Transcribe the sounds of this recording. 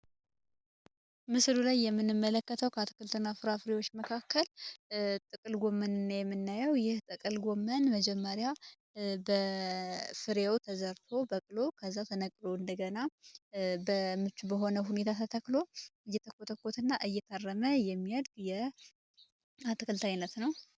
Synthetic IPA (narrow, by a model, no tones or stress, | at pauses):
mɨslulajːɛmːɨnːɨmːələkːət̪ʰəwkʰəat̪ʰɨ̥kʰɨlt̪ʰɨnːafɨɾafɨɾewo̞t͡ʃːməkʰakːəl | t̪ʼɨkʼɨlɡʷo̞mːənɨnːajɛmːɨnːajɛwjɪht̪ʼɨkʼɨlɡomːənməd͡ʒɛmːəɾja | bə | fɨɾewt̪ʰəzəɾt̪ʰo̞bəkʼɨlo̞kʰəzːat̪ʰənəkʼloɨnd̪əɡəna | bəmɨt͡ʃːubəɦo̞nəɦune̞t̪ʰat̪ʰət̪ʰəkʼlo̞ɨjːɛt̪ʰəkːot̪ʰəkːo̞t̪ʰɨnːaʔɨjːɛt̪ʰarːəməjɛmːiad̪ɡjɛ | at̪ɨkʰɨlt̪ʰajnət̪nəw